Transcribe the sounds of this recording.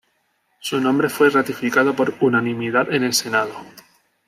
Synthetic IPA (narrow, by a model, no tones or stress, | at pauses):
sunõmbɾe̞fwe̞rat̪ifikað̞opo̞ɾunanĩmiðaðe̞ne̞lse̞nað̞o